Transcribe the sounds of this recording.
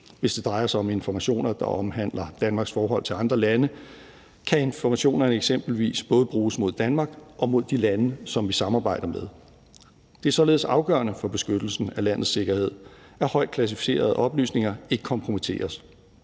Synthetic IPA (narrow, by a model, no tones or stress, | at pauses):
ʋe̝sd̥e̝d̥ʁɑ̈ɪɐsɑ̈ɪɒ̽me̝nfɒmæɕo̝̰ːnɐd̥ɑ̈ʔɒ̽mɦæn̰lɐd̥ænmɑ̈ːɡ̥sfɒːɦɒ̽l̰t͡sʰe̝lɑ̈nd̥ʁɐlænə | kʰæe̝nfɒmæɕo̝̰ːnɐneɡ̥sem̰b̥l̩ʋḭːsb̥ɔ̽ːð̞̩ˠb̥ʁuːsmo̝ðˠd̥ænmɑ̈ːɡ̥ʔɒ̽mo̝ð̰ˠd̥ilænəsɒ̽mʋisɑ̈mɑ̈ːb̥ɑ̈ɪ̰d̥ɐmeð̞ˠ | d̥e̝æsɒ̽le̝ːð̞̩ˠsɑ̈ʊɡ̥ɶ̰ːɐnəfɒ̽b̥e̝sɡ̥ød̥l̩sn̩ælæn̰ð̩ˠsːe̝ɡ̥ɐhe̝ð̞̰ˠ | æɐhɒ̽ɪ̰d̥̚kʰlæs̬ifi̥se̝̰ːɐð̞̩ˠəʔɒ̽b̥ly̰ːsne̝ŋɐe̝ɡ̥əkʰɒ̽mpʰʁo̝mit͡sʰe̝̰ːɐs